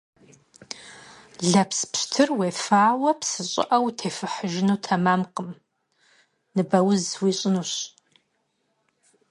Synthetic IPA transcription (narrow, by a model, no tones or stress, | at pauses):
ɮɐpspɕtʰɨrweːfaːwɐpʰsɨɕʼɪ̰ʔɐwtʰeːfɨħəʒɪnuːtʰɐmaːmqəm | nɨbɐwʊzwiːɕʼɪnuːɕ